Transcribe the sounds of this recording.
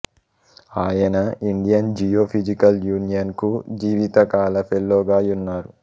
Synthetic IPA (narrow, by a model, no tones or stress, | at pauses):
aːjɐnɐiɳɖijɐnd͡ʒijoːpʰid͡ʒikɐljuːnijɐnkud͡ʒiːʋit̪ɐkaːlɐpʰelːoːɡaːjunːaːɾu